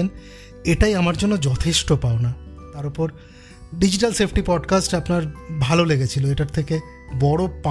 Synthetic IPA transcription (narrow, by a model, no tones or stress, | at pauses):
en | eʈajamaɾd͡ʑonːod͡ʑɔt̪ʰeʃʈopaona | t̪aɾopɔɾ | ɖid͡ʑiʈalsepʰʈipɔɖkasʈapnaɾbʱaloleɡet͡ɕʰiloeʈaɾt̪ʰeke | bɔɽopa